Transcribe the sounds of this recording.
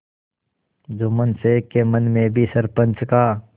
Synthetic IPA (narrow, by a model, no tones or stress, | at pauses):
d͡ʒomənsekːemənmẽbʱisəɾpə̃nt͡ʃkaː